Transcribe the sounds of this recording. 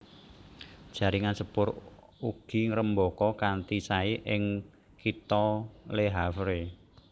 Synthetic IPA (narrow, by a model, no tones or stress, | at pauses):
d̥ʒ̥a̤ɾiŋansəpʊɾ | uɡ̥i̤ŋəɾəmbɔkɔkant̪isaiʔɪŋ | kit̪ɔleɦafɾe